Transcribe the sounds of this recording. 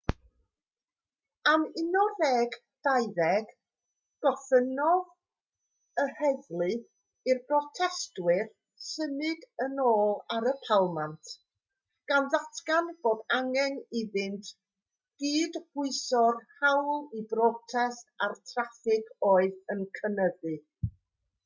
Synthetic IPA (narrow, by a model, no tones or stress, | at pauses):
amɪnɔðɛːɡ | d̥ajðɛɡ̥ | ɡ̥ɔθənɔð | əhɛðlˠɨ | irbrɔtʰɛstwɪr | sənɪɡənoːlˠaɾəpʰalˠmantʰ | ɡ̥anðatʰɡanb̥oːdaŋɛniðɪntʰ | ɡ̥iːdb̥ʊɨsɔrhawlˠibrɔtʰɛstartʰrafɪkʰoːɨðənkʰənəðɨ